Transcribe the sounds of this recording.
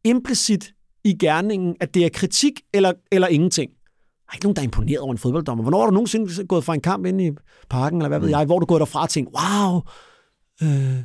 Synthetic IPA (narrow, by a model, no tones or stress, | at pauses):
e̝mb̥lisid̥ | iɡ̥æɐne̝ŋn̩æd̥e̝æɐkʰʁit͡sʰiɡ̥elɐelɐe̝ŋn̩t͡sʰe̝ŋ̰ | d̥ɑe̝ɡ̥ənoːnd̥ɑɐempʰo̝ne̝̰ɐðˠɒʊ̰ɐenfoðb̥ɒ̽ld̥ɒ̽m̰ɐʋɒ̽nɒ̰ːhɑ̈ɾuno̝ːn̩se̝nɡ̥ɔ̽ːð̩ˠfʁɑ̈e̝nkʰɑ̈m̰b̥e̝ni | pʰɑ̈ɡ̥n̩elɐʋæʋeð̞̰ˠjɑ̈ɪʋɒ̰ːduɡ̥ɔːɾ̥ɑfʁɑ̈ɒt͡sʰeŋɡ̥waʊ | ø